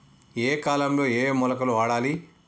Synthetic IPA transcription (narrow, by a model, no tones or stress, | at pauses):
eːkaːlɐmlo̞ːeːmɔlɐkɐluʋaːɽaːli